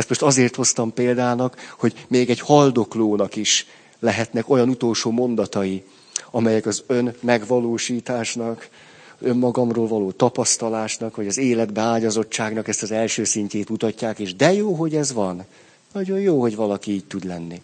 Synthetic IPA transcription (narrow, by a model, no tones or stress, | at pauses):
ɛst̪mo̞ʃt̪ɒzeːrt̪ho̞st̪ɒmpeːld̪aːnɒkho̞ɟmeːɡɛɟhɒld̪o̞kloːnɒkiʃ | lɛɦɛt̪nɛko̞jɒnut̪o̞lʃoːmo̞nd̪ɒt̪ɒji | ɒmɛjɛkɒzø̞nmɛɡʋɒloːʃiːt̪aːʃnɒk | ø̞mːɒɡɒmroːlvɒloːt̪ɒpɒst̪ɒlaːʃnɒkʋɒɟɒzeːlɛd̪bɛaːɟɒzo̞t͡ʃːaːɡnɒkɛst̪ɒzɛlʃøːsiɲceːt̪mut̪ɒcːaːkeːʒd̪ɛjoːɦo̞ɟɛzʋɒnː | ɒɟo̞jjoːɦo̞ɟvɒlɒkiiːc̚t̪ud̪lɛnːi